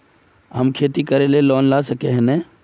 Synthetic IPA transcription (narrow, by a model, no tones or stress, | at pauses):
ɦɐmkʰeːt̪ikɐɾelelɔːnlaːsɐkeɦɛ̃nɛː